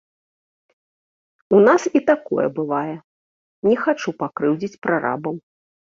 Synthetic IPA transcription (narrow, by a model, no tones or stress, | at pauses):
unasit̪akɔ̰jɛ̰bɨvajɛ | nʲɛxat͡ʂupakɾɨwd͡zʲit͡sʲpɾaɾa̰bɐw